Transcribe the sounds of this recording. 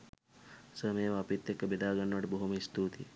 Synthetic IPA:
sɐmɐjɐʋɐɐːpit̪jekːɐbid̪aːɡɐɳːʋɐʈibɐɦumist̪uːt̪ḭ

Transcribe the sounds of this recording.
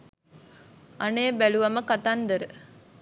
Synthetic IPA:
aneːbæluʋɐməkat̪and̪əɾə

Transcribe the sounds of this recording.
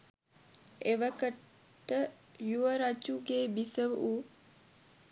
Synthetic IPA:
eʋəkəʈː | ə | juʋəɾat͡ʃuɡeːbisəʋu

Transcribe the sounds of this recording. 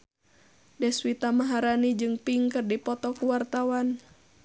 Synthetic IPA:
dɛswit̪amaɦaɾanid͡ʒɨŋpiŋkɨrdipɔt̪ɔkuwart̪awan

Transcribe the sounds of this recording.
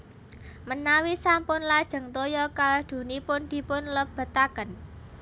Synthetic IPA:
mənawisampʊnlad̥ʒ̥ə̤ŋt̪ojɔkald̪̥ṳnipʊnd̪̥i̤pʊnləb̥ə̤t̪akən

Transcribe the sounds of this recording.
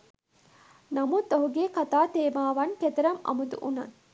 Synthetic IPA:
nɐmut̪oɦuɡeːkat̪aːt̪eːmaːʋɐnket̪ɐɾɐmɐ̰mud̪ṵʔunɐ̰n

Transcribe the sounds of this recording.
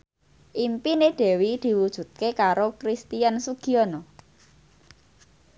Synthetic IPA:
ʔimpineɖ̪̥ɛ̤wid̪̥i̤wud̥ʒ̥ṳt̪̚kekaɾokɾist̪ijansuɡ̥iɔnɔ

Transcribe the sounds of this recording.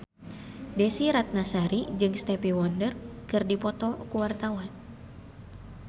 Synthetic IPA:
desiɾat̪̚nasaɾid͡ʒɨŋst̪ɛpiwɔndərkɨrdipɔt̪ɔkuwart̪awan

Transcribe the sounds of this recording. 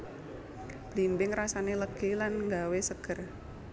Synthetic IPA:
b̥limbɪŋrasaneləɡ̥elanŋɡawesəɡ̥ə̤r

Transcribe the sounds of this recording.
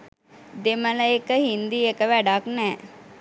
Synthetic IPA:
d̪emələekəhind̪iekəʋæɖaknɛː

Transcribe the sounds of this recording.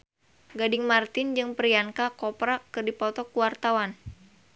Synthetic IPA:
ɡadɪŋmart̪ɪnd͡ʒɨŋpɾiaŋkakɔpɾakɨrdipɔt̪ɔkuwart̪awan

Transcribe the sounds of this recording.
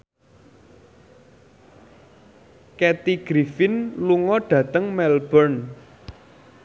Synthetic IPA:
kɛt̪iɡ̥ɾifɪnluŋɔɖ̥ä̤t̪əŋmɛlbərn

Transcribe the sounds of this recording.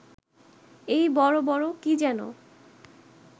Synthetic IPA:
ejbɔɾobɔɾokid͡ʑɛno̰

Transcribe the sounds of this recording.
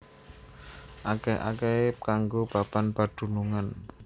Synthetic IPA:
ʔakɛa̰kɛkaŋɡob̥a̤panpad̪̥ṳnuŋan

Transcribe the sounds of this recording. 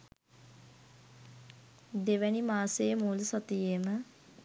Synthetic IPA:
d̪eʋænimaːsejəmuːlusɔt̪ijeːmə

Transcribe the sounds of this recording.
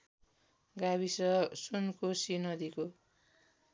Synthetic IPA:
ɡabisʌsunkosinʌd̪iko

